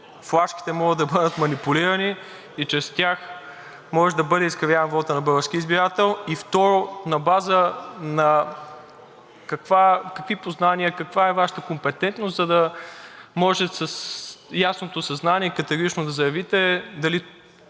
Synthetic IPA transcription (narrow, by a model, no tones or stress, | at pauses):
flˠaʃki̥t̪ɛmɔɡəd̪ɐbəd̪ət̪mɐnipuliɾɐni | it͡ʃɾɛst̪ʲjax | mɔʒɛd̪ɐbɤd̪ɛiskɐvjavɐnvɔt̪ənɐbɤəɾskʲiizbiɾat̪ɛlˠift̪ɔɾonɐbazənɐ | kɐkvakɐkvipoznaniəkɐkvaɛvaʃə̥t̪əkompɛt̪ɛnt̪nost̪zɐd̪ɐ | mɔʒɛsɐsjasnot̪osɐznaniɛkɐt̪ɛɡoɾit͡ʃnod̪ɐzɐjɐvit̪ɛd̪ɐli